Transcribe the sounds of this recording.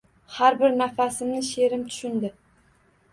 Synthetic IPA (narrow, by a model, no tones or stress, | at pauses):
haɾbɪɾnafasɪmnɪʃe̞ɾɪmt̪ʰʊ̥ʃʊnd̪ɪ